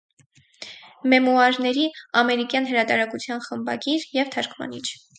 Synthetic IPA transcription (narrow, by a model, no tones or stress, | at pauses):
mɛmuɑɾnɛɾiɑmɛɾikjɑnɦəɾɑt̪ɑɾɑkut͡sʰjɑnχəmbɑ̰ɡiɾjɛvt̪ʰɑɾkʰmɑ̰nit͡ʃʰ